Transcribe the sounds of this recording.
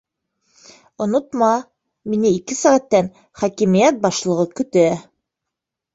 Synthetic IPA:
ŏnŏt̪mɑ | minɘikɘsæʁæt̪ːæn | χɑkimijæt̪̚bɑʃlˠɤ̆ʁɤkɵ̆t̪æ

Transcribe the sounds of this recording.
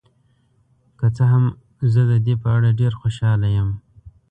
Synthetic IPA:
kət͡səɦam | zəd̪əd̪epəaɽaɖeɾxoʃɑlajəm

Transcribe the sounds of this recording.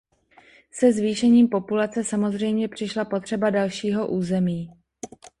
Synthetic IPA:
sɛzviːʃɛɲiːmpo̞pulat͡sɛsamo̞zr̝ɛjmɲɛpr̝̥ɪʃlapo̞t̪r̝̥ɛbadalʃiːɦo̞ʔuːzɛmiː

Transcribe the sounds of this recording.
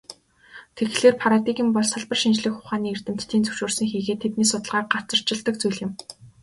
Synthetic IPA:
t̪ʰeɡɮeːrpʰaɾat̪iɣĭmpɔɮsaɮpə̆rʃint͡ɕɮɘ̆xʊχaːniːer̥t̪ɘ̆m̥t̪ːʰiːnt͡sɵ̥wʃuːrsɘ̆ŋxiːɣeːt̪ʰːet̪niːsʊt̪ə̆ɮʁaːk̚ɢḁt͡sə̆r̥t͡ɕɪ̆ɮt̪ə̆k̚t͡sujɮɪ̆m

